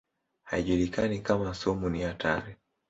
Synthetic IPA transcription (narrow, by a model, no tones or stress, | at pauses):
ha̰iʄulikanikamasɔmuniatʰa̰ɾɛ